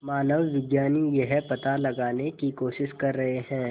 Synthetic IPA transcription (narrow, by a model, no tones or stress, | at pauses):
maːnəʋːɪɡjaːnijɐɦɛpɐt̪alɐɡaːnekikoːʃɪʃkɐɾːɐɦeɦɛ̃ː